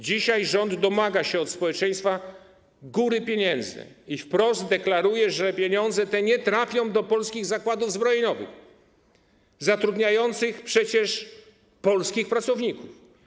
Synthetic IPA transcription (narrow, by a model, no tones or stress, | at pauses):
d͡ʑiɕajʐɔnd̪ːɔmaɡaɕɛɔt̪spɔwɛt͡ʂɛj̃st̪fa | ɡuɾɘpʲjeɲɛnd̪zɨ̰ifpɾɔzd̪d̪ɛklaɾujɛʐɛpʲjeɲɔnd̪zɛt̪ɛɲɛt̪ɾafʲjɔ̃w̃d̪ɔpɔlskʲiɣzakwad̪uvzbɾɔjɲɔvɨ̰x | zat̪ɾud̪ɲajɔnt̪sɘxpʂɛt͡ɕɛʂ | pɔlskʲixpɾat̪sɔvɲikuf